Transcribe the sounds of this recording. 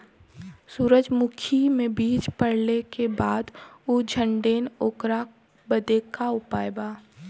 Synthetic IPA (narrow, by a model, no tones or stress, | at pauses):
suːɾəd͡ʒmʊkʰimẽbiːd͡ʒpəɽlekebaːd̪ud͡ʒʱə̃ɳɖeːnoːkɾa | bəd̪eːkaʊpaːjebaː